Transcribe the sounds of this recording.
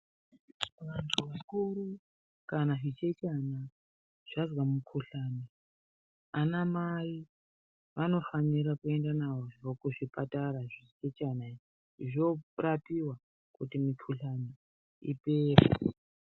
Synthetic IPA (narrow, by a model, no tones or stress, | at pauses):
ʋantʰuʋakuɾu | kanaʐit͡ʃet͡ʃana | ʐ̥azwamukʰuɬaːni | anamai | ʋano̞faniɾakue̞ndanawookuʐipataɾaʐit͡ʃet͡ʃanaii | ʐorapiwa | kutimikʰuɬani | ḭpeːpou